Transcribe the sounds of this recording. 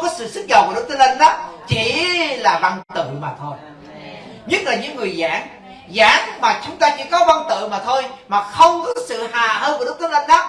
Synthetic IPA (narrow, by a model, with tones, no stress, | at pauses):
kɔ˨˦sɨ̰˧˨sɨ˦˥t̚zɔ̰˨˩wvaː˨˩ɗk͡p̚t̪ə˨˦lə˧nɗɔ˨˦t͡ɕi˧˥laː˨˩va˧ŋt̪ɨ̰˧˨maː˨˩t̪ʰo˧j | ɲɨ˦˥t̚laː˨˩ɲɨ̰˧˥ŋːɨ˨˩əjzaː˨˦ŋ | zaː˨˦ŋmaː˨˩t͡ɕʊ˨˦ŋ͡mt̪aː˧ɲɨ̰˧˥kɔ˨˦va˧ŋt̪ɨ̰˧˨maː˨˩t̪ʰo˧jmaː˨˩xə˧wŋ͡mkɔ˨˦sɨ̰˧˨haː˨˩həː˧vːɗʊ˦˥k͡p̚t̪ə˨˦lə˧nɗɔ˨˦˥